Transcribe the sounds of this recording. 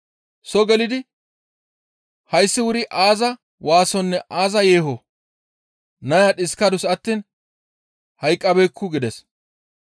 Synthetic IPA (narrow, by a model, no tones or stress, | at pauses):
sɔɡɛlɪd̪ɪ | hɐjsːɪwʊɾɪʔaːzɐ | waːsɔnːɛʔaːzɐjeːɦo | nɐjaɗɪskɐd̪ʊsɐt̪ːiːn | hɐjkʼːɐbɛkʰːʊɡɪd̪ɛs